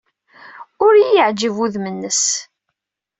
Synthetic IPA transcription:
ʊɾjijəʕd͡ʒəvuðmənːəs

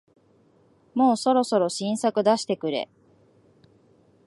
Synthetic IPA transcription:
mo̞ːso̞ɾo̞so̞ɾo̞ɕĩɰ̃sakɯ̟d̪aɕi̥t̪e̞kɯ̟ɾe̞̰

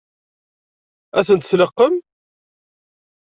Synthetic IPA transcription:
æθənt̪θləqːəm

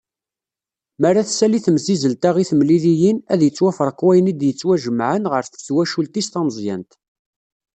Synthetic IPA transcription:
mərˤːaθsæliθmzizəlt̪æʁiθmlilijinæðjət͡sːwæfəɾˤəqːwæjənid̪jət͡sːwæʒəmːʕənʁəɾθθwæʃult̪ist̪ɑnzˤjæ̰nt̪

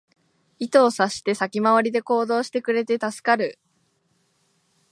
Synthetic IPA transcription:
it̪o̞ːsaɕi̥t̪e̞sakʲimaβ̞aɾʲid̪e̞ko̞ːd̪o̞ːɕi̥t̪e̞kɯ̟ɾe̞t̪e̞t̪asɨ̥kaɾɯ̟

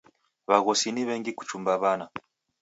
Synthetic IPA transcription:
βaɣɔsiniβɛŋɡiku̥t͡ʃumbaβana

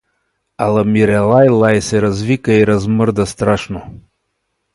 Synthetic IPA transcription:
alˠamiɾɛlˠajlˠajsɛɾazvikəiɾazməɾd̪ast̪ɾaʃno

